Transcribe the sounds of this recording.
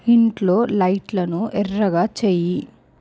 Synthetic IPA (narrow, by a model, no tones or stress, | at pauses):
hiɳʈlo̞ːlɐjʈlɐnuʔɛrːɐɡaːt͡ʃeːji